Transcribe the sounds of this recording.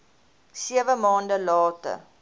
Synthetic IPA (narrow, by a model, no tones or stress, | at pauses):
siəvəmɑːndəlɑːtə̰r